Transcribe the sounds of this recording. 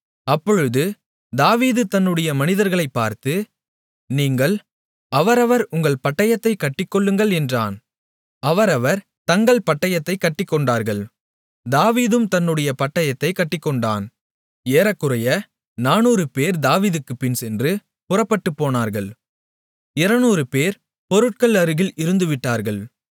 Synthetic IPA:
ɐpːɔɻɯðɯ | d̪aːʋiːðɯt̪ɐnːɯɽɐjɐmɐnɪðɐɾɣɐɭɐɪpːaːɾt̪ɯ | niːŋɡɐɭ | ɐʋɐɾɐʋɐɾʊŋɡɐɭpɐʈːɐjɐt̪ːɐɪkːɐʈːɪkːɔɭːɯŋɡɐɭɛndraːn | ɐʋɐɾɐʋɐɾ | t̪ɐŋɡɐɭpɐʈːɐjɐt̪ːɐɪkːɐʈːɪkːɔɳɖaːɾɣɐɭ | d̪aːʋiːðɯmt̪ɐnːɯɽɐjɐpɐʈːɐjɐt̪ːɐɪkɐʈːɪkːɔɳɖaːn | eːɾɐkːɯɾɐjɐ | naːnuːɾɯpeːɾd̪aːʋiːðɯkːɯpːɪnsɛndrɯ | pʊrɐpːɐʈːɯpːoːnaːɾɣɐɭ | ɪɾɐnuːɾɯpeːɾ | pɔɾɯʈ̚kɐɭɐɾɯɣɪlɪɾɯnd̪ɯʋɪʈːaːɾɣɐɭ

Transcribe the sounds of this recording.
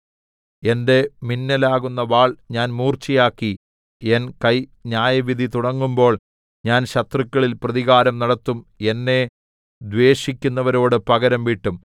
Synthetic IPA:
e̞nde̞minːɐlaːɣunːɐʋaːɭɲaːnmuːrt͡ɕijaːkːi | e̞nkɐjɲaːjɐʋid̪ʱit̪uɽɐŋːumbo̞ːɭ | ɲaːnɕɐt̪rɨkʲːɐɭilprɐðiɣaːɾɐmnɐɽɐt̪ːume̞nːe̞ | d̪ʋe̞ːɕikʲːunːɐʋɐɾo̞ːɽɨpɐɣɐɾɐmʋiʈːum

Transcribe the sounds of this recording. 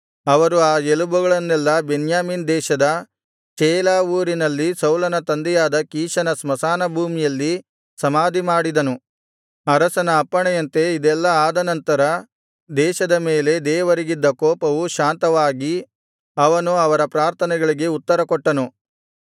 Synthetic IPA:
ɐʋɐɾuaːelubuɡɐɭɐnːɛlːɐbenjaːmiːnd̪ɛːʃɐd̪ɐ | t͡ʃɛːlaːuːɾinɐlːisɐwlɐnɐt̪ɐnd̪ɛjaːd̪ɐkiːʃɐnɐsmɐsaːnɐbʱuːmijɐlːi | sɐmaːd̪imaːɽid̪ɐnu | ɐɾɐsɐnɐːpːɐɳɛjɐnt̪e̞id̪ɛlːɐaːd̪ɐnɐnt̪ɐɾɐ | d̪ɛːʃɐd̪ɐmeːle̞d̪ɛːʋɐɾiɡid̪ːɐkoːpɐʋuʃaːnt̪ɐʋaːɡi | ɐʋɐnuɐʋɐɾɐpɾaːɾt̪ʰɐnɛɡɐɭiɡe̞ut̪ːɐɾɐkɔʈːɐnu

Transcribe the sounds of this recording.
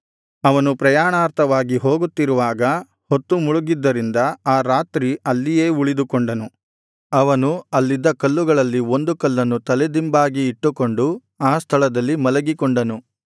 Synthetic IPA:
ɐʋɐnupɾɐjaːɳaːɾt̪ʰɐʋaːɡiɦo̞ːɡut̪ːiɾuʋaːɡɐ | hot̪ːumuɭuɡid̪ːɐɾind̪ɐaːɾaːt̪ɾiɐlːijeːuɭid̪ukoɳɖɐnu | ɐʋɐnuɐlːid̪ːɐkɐlːuɡɐɭɐlːio̞nd̪ukɐlːɐnːut̪ɐlɛd̪imbaːɡiːʈːuko̞ɳɖu | aːst̪ʰɐɭɐd̪ɐlːimɐlɐɡikoɳɖɐnu

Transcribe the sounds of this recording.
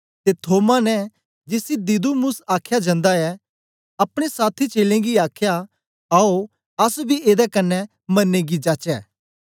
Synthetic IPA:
t̪et̪ʰoːmanɛ | d͡ʒɪsid̪id̪umʊsaːkʰjad͡ʒɐ̃nd̪aɛ | ɐpɽ̃esaːt̪ʰit͡ʃeːlẽɡiaːkʰja | aːo | ɐsbʱiʔeːd̪ɛkɐnːɛ | mɐnːẽɡid͡ʒaːt͡ʃɛː

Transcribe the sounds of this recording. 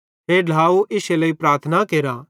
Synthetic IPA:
ɦeɖ̤ʱaːuʔɪseləipɾaːɾt̪ʰənakeːɾa

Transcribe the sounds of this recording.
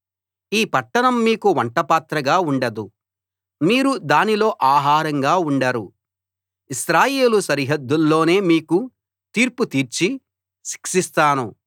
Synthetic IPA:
iːpɐʈːɐnɐmːiːkuʋɐɳʈɐpaːt̪ɾɐɡaːuɳɖɐd̪u | miːɾud̪aːnilo̞ːʔaːɦaːɾɐŋɡaːuɳɖɐɾu | iʃɾaːje̞ːlusɐɾɦɐd̪ːulːo̞ːne̞ːmiːku | t̪iːɾput̪iːɾt͡ʃi | ʃi̥kʂist̪aːnṵ

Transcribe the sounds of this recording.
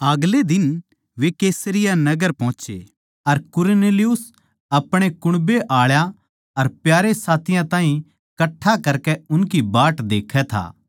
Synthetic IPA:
ɐɡled̪ɪn | ʋekeːsɾɪjanɐɡəɾpɔ̃ɦːt͡ʃḛː | ɐɾkʊɾneːlɪjʊs | ɐpɽ̃ekʊɽ̃beʔaːɭja | ɐɾpjaːɾesaːt̪ʰɪjãt̪ãːɦĩ | kɐʈʰːakɐɾkeʊnkibaːʈd̪eːkʰɛt̪ʰa̰ː

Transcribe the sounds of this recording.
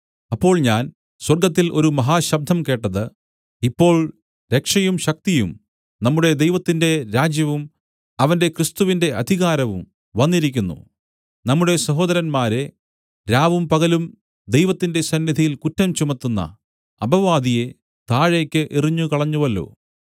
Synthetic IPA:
ɐpːo̞ːɭɲaːn | swɐrɡɐt̪ːilo̞ɾumɐɦaːɕɐb̚d̪ʱɐmke̞ːʈːɐðɨ | ipːo̞ːɭ | ɾe̞kʂɐjumɕɐk̚t̪ijṵm | nɐmːuɽe̞d̪ejʋɐt̪ːinde̞ɾaːd͡ʑjɐʋum | ɐʋɐnde̞krist̪uʋinde̞ʔɐd̪ʱiɣaːɾɐʋum | ʋɐnːiɾikʲːunːṵ | nɐmːuɽe̞sɐɦo̞ːd̪ɐɾɐnmaːɾe | ɾaːʋumpɐɣɐlum | d̪ejʋɐt̪ːinde̞sɐnːid̪ʱɐjilkutːɐmt͡ɕumɐt̪ːunːɐ̰ | ɐbʱɐʋaːd̪ije̞ | t̪aːɻe̞ːkʲːɨʔiriɲːukɐɭɐɲːuʋɐlːo̰ː

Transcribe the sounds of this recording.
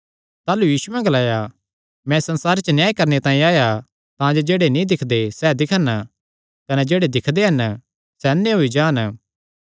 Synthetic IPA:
t̪aːlujiːsʊʋɛ̃ɡɐlaːja | mɛ̃sɐ̃nsaːɾt͡ʃənjaːjikɐɾnet̪ãːĩaːja | t̪ãd͡ʒod͡ʒeːɽenĩd̪ɪkʰd̪esɛd̪ɪkʰən | kɐnɛd͡ʒeːɽed̪ɪkʰd̪eɦɐn | sɛɐnːeɦoid͡ʒaːn

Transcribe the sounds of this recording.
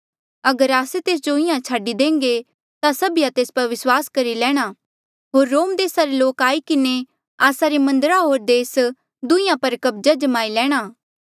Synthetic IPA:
ɐɡəɾaːset̪eːs̬d͡ʒoɪjãt͡ʃʰaːɖid̪ẽːŋɡe | t̪asɐbijat̪eːspɐɾʋɪswaːskɐɾilɛːɽ̃aː | ɦoːɾːoːmd̪eːsaɾeloːkaːikɪne | aːsaɾemɐ̃nd̪ɾaɦoːɾd̪eːs | d̪ʊ̃ɪ̃jãpɐɾkɐbd͡ʒad͡ʒɐmaːilɛːɽ̃aː

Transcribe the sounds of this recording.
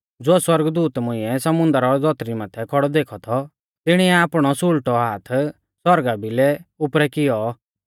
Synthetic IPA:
d͡zʊɛswɐɾɡd̪uːt̪mʊ̃ɪ̃ɛsɐmʊ̃nd̪əɾɔd͡z̪ɔt̪ɾimaːt̪ʰɛkʰɔɽɔd̪eːkʰɔt̪ʰɔ | t̪ɪɽ̃iɛaːpɽ̃ɔsʊlʈɔɦaːt̪ʰ | sɔɾɡabʱilɛʊpɾɛkɪjɔ

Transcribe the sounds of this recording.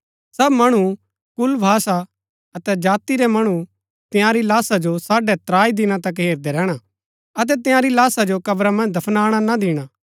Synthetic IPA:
sɐbmɐɽ̃u | kʊlbʱaːsa | ɐt̪ɛd͡ʒaːt̪iɾɛmɐɽ̃u | t̪ɪjãɾilaːsad͡ʒosaːɖɛt̪ɾaːid̪ɪnãt̪ɐk̬ɦeːɾd̪ɛɾɛːɽ̃a | ɐt̪̬ɛt̪̬ɪjãɾilaːsad͡ʒokɐbɾamɐ̃nd͡ʒd̪ʱɐpʰnaːɽ̃anad̪ɪːɽ̃aː

